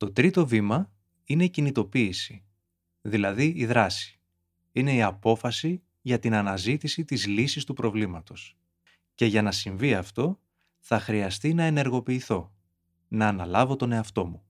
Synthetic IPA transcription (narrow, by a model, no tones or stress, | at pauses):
t̪o̞t̪ɾit̪o̞vimɐ | ine̞icinit̪o̞piːsi̥ | ðilɐðiiðɾɐsi̥ | ine̞iɐpo̞fɐsi | ʝɐt̪inɐnɐzit̪isit̪izlisist̪upɾo̞vlimɐt̪o̞s | ce̞ʝɐnɐsiɱviɐft̪o̞ | θɐxɾiɐst̪inɐe̞ne̞ɾɣo̞piːθo̞ | nɐːnɐlɐvo̞t̪o̞ne̞ɐft̪o̞mu